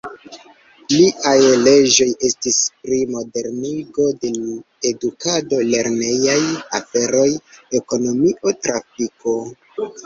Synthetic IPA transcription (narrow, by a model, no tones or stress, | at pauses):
liʔajle̞d͡ʒo̞je̞stispɾimo̞de̞ɾniɡo̞de̞ | e̞dukado̞le̞ɾne̞jajafe̞ɾo̞je̞ko̞no̞miʔo̞tɾafiko̞